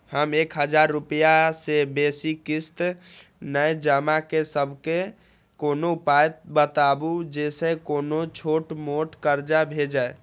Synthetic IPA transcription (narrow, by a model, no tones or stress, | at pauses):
həmekɦəd͡ʒaɾːupəjasebesikist̪ | nəjd͡ʒəmakesəbʱke | konopaet̪̚bət̪abud͡ʒesekonot͡ʃʰoʈmoʈkəɾd͡ʒabʱed͡ʒae